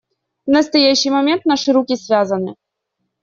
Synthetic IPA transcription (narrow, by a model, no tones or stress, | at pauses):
vnəst̪ɐjaɕːɪjmɐmʲent̪̚naʂɨɾukʲisʲvʲazənɨ